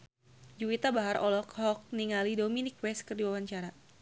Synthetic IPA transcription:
d͡ʒuwit̪abaɦarɔlɔkhɔk̚niŋalidominikwɛskərdiwawaɲt͡ʃaɾa

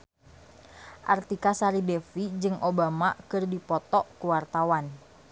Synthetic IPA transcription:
ʔa̰rt̪ikasaɾidɛfid͡ʒɨŋʔobamakɨrdipɔt̪ɔʔkuwart̪awan

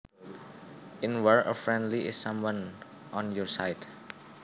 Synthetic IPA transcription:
ʔɪnwɛɹə̰fɹɛ̃ndliɪsːãmwãn | ʔɔ̃njɔɹsajt

